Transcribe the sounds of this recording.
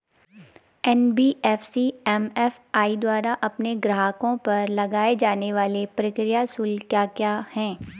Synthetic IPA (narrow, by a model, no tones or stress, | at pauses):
ɛnbiːɛːfsiɛmɛf | aːid̪waːɾaʔɐpneɡɾɐɦaːkõpɐɾlɐɡaːed͡ʒaːneʋaːlepɾɐkɾijasʊlkjaːkjaːhɛ̃ː